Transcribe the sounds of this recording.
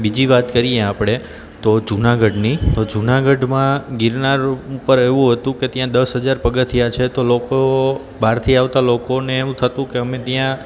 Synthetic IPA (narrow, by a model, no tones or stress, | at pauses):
bid͡ʒiʋat̪kəɾijeapɽ̃e | t̪od͡ʒunaɡəɖnit̪od͡ʒunaɡəɖmãɡɪɾnaɾupəɾeʋũɦət̪ũket̪jãd̪əsɦəd͡ʒaɾpəɡət̪ʰijat͡ʃʰet̪oloko | baɾt̪ʰiaʋt̪alokoneːʋũt̪ʰət̪ũkeəmet̪jã